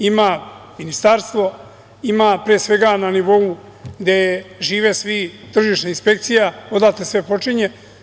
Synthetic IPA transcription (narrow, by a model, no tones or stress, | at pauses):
ima | minist̪aɾst̪ʋo̞ | imapɾeːsʋe̞ɡananiʋo̞u | ɡd̪eʒiːʋesʋi | t̪r̩ʒiʃnainspe̞kt̪sijaod̪at̪esʋe̞po̞t͡ʂiɲe